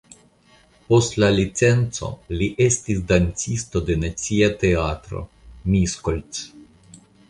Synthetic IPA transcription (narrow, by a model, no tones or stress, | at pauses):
po̞stlalit͡se̞nt͡so̞̰liʔe̞stisd̪ant͡sist̪o̞d̪e̞nat͡siat̪e̞at̪ɾo̞̰ | miskolt͡s